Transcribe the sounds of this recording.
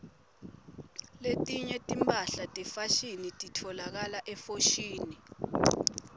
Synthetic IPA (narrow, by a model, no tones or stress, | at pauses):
letʼiɲɛtʼimpʼaɬatʼɛfaʃinitʼitʰɔlak̬alaʔɛfoʃiːni